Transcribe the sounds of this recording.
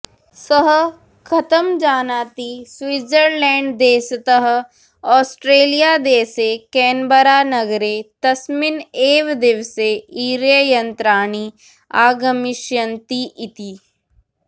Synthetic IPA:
səɦ | kʰɐt̪əmd͡ʒaːnaːt̪iswɪd͡ʒəɾlɛ̃ːɳɖd̪eːst̪əɦ | ɔːsʈɾeːlijaːd̪eːsekɛːnbəɾaːnɐɡɾet̪ɐsmɪneːʋd̪eʋseiːɾjəjɐ̃nt̪ɾaːni | aːɡɐmɪʃjənt̪iʔɪt̪iː

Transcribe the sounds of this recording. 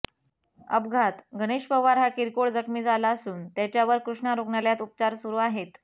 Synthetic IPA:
ə̰bɡʱat̪ɡʱəɽ̃eɕpəʋaɾɦakiɾkoɭd͡zəkʰmiːd͡zalaəsuːnt̪jat͡ɕjaʋəɾkɾuʂɳaɾoɡɳaljat̪up̚t͡ɕaɾsuɾuːaɦet̪

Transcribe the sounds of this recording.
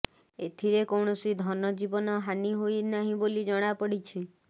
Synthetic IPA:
et̪ʰiɾekowɳ̃ɔsid̪ʱɔnɔd͡ʒibɔnɔɦaniɦojnaɦĩbolid͡ʒɔɽ̃apɔɽit͡ʃʰi

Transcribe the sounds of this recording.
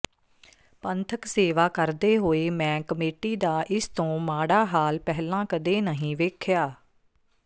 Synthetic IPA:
pənt̪ʰəkseːʋaːkəɾd̪eːɦoːeːmɛ̃ːkəmeːʈiːd̪aːʔɪst̪õːmaːɽaːɦaːlpɛɦlãːkəd̪eːnəɦĩːʋeːkʰjaː

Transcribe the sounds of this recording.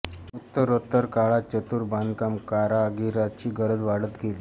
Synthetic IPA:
ut̪ːəɾot̪ːəɾkaɭat͡ɕət̪uːɾband̪kamkaɾaɡiɾat͡ɕiːɡəɾəd͡zʋaɽət̪ɡʱeli

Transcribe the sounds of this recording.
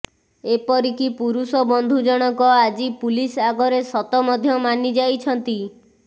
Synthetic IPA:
epɔɾikipuɾusɔbɔnd̪ʱud͡ʒɔɽ̃ɔkɔad͡ʒipulisaɡɔɾesɔt̪ɔmɔd̪ʱjɔmanid͡ʒajt͡ʃʰɔnt̪i

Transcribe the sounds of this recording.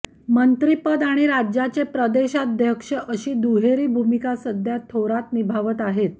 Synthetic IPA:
mənt̪ɾipəd̪aɽ̃iɾad͡ʑjat͡sepɾəd̪eɕad̪ʱjəkʂəʔəɕiːd̪uɦeɾiːbʱumikasəd̪ʱjat̪ʰːoɾat̪nibʱaʋət̪aɦet̪̚

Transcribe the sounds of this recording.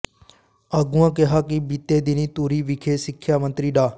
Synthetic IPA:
aːɡʊãːkɪɦaːkibit̪eːd̪ɪnĩːt̪uːɾiːʋɪkʰeːsɪkʰːjaːmə̃nt̪ɾiːɖaː

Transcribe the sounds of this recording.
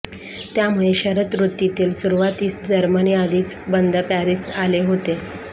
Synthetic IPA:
t̪jamuɭeɕəɾət̪ɾut̪jit̪iːlsuɾuʋat̪iːt͡sd͡ʑəɾməniad̪iːt͡s | bənd̪ʱəpæɾisaleɦot̪e

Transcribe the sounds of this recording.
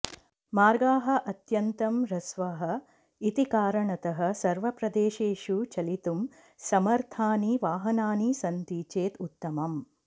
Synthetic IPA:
maːɾɡaːɦɐ̆ʔɐt̪jɐnt̪ɐmɾɐsʋaːɦɐ̆ | it̪ikaːɾɐɳɐt̪ɐɦɐ̆sɐɾʋɐpɾɐd̪eːʃeːʃut͡ʃɐlit̪um | sɐmɐɾt̪ʰaːniʋaːɦɐnaːnisɐnt̪iːt͡ʃeːt̪ut̪ːɐmɐm

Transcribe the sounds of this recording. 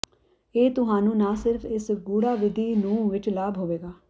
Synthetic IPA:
eːt̪ʊɦaːnũːnaːsɪɾfʰɪsɡuːɽaːʋɪd̪ʱiːnũːʋɪt͡ʃlaːbɦoːʋeːɡaː

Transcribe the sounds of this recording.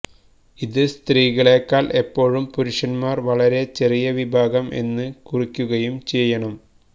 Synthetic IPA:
iðɨst̪riːɣɐɭe̞ːkːaːlʔe̞pːo̞ːɻumpuɾuʂɐnmaːrʋɐɭɐɾe̞t͡ɕe̞rijɐʋibʱaːɡɐmʔe̞̰nːɨkurikʲːuɣɐjumt͡ɕe̞jːɐɳɐm

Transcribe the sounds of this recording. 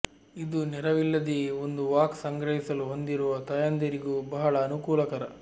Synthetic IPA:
id̪unɛɾɐʋilːɐd̪eond̪uʋaːksɐŋɡɾɐɦisɐluɦo̞nd̪iɾuʋɐt̪ɐjɐnd̪ɐɾiɡubɐɦɐɭɐːnukuːlɐkɐɾɐ

